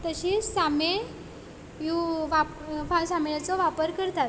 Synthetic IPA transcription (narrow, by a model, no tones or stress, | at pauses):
t̪əɕiːsame | juʋapfãsamɭat͡sɔʋapəɾkəɾt̪at̪